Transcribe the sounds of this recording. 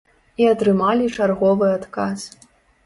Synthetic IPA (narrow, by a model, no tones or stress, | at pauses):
iat̪ɾɨmalʲit͡ʂarɣɔvɨat̪kas